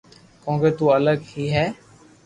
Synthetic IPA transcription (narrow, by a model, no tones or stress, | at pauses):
kõːkeːt̪uːələɡhiːɦɛː